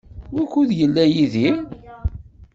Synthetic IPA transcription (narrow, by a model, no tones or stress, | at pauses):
wækːuðjəlːæjiði